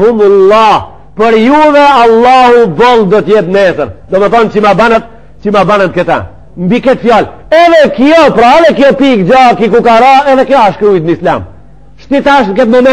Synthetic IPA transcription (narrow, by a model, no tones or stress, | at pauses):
umulˠːɑh | pəɾjuvɛalˠːahubɔlˠd̪ɔt̪jɛt̪nɛsəɾd̪ɔməθɔnt͡ɕəmabanat̪̚ | t͡ʃəmabanant̪̚kət̪ɛ̰ | mbikɛt̪fjal | ɛðɛkjɔpɾaɛðɛkjɔpikd͡ʒakikukaɾaɛðɛkjɔaʃkəujd̪̚nisla̰m | ʃt̪it̪aʃmk̬ɛt̪mɔmɛ